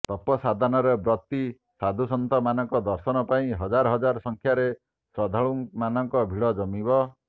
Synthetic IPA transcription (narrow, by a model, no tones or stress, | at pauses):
t̪ɔpɔsad̪ʱanɔɾebɾɔt̪i | sad̪ʱusɔnt̪ɔmanɔŋkɔd̪ɔɾsɔnɔpaĩɦɔd͡ʒaɾɔɦɔd͡ʒaɾɔsɔŋkʰjaɾe | sɔd̪ʱaɭuŋmanɔŋkɔbʱiɭɔd͡ʒɔmibɔ